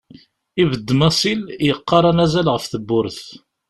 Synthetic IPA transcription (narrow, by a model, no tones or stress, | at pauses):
ivəd̪ːmɑsˤiljəqːɑɾˤɑnæzælʁəfθəbːʊɾəθ